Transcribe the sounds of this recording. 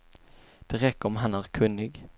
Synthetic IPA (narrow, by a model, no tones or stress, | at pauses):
d̪̥ɛɾɛkːəɾɔmɦanæːɾkʰɵnːɪɡ